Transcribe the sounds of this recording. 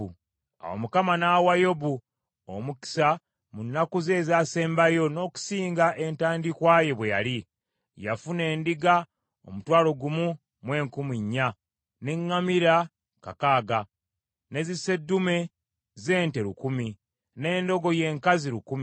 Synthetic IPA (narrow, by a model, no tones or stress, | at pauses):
a̰wo̰mukamanawajo̞bu | o̰muki̥sa | munːakuze̞ːzaːse̞ːmbajo̞no̞ːku̥siːŋɡaʔe̞ntaːndikwaje̞βweja̰li | ja̰fune̞ːndiɡa | o̰mutwaːlo̞ɡumu | mwe̞ːŋkumiɲːa | ne̞ŋːamiɾa | ka̰kaːɡa | ne̞zise̞dːume̞ | ze̞ːnte̞ɾukumi | ne̞ːndo̞ɡo̞je̞ːŋkaziɾukumi